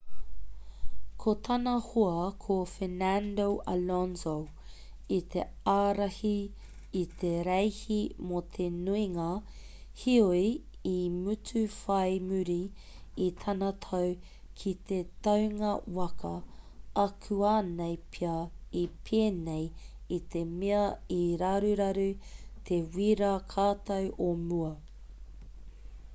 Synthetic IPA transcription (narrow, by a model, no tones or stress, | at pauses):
kʰot̪ʰɐnɐhoɐkʰofenændoʔa̰lɔnzo | it̪ʰe | aːɾɐhiː | t̪ʰeɾejhimot̪ʰenuiŋɐ | hiojimʉtʰʉfɐjmʉɾi | it̪ʰɐnɐt̪ʰɐw | kʰit̪e̞t̪ɐwŋɐwɐkʰɐɐkʰʉaːnejpʰiɐipʰeːnej | it̪ʰe̞meɐiɾɐɾʉɾɐɾʉt̪ʰewiːɾɐkʰaːt̪ɐwʔomuɐ